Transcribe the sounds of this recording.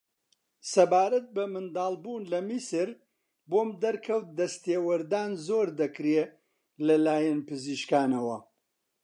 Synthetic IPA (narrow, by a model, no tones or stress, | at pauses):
sɐbaːɾɐt̪̚bɐmɨnd̪aːlˠbuːnlɐmisɨɾ | boːmd̪ɐɾkʰɐwt̪̚d̪ɐst̪eːwɐɾd̪aːnzoːɾd̪ɐkɾe | lɐlaːjɛnpɨziʃkaːnɐwɐ̰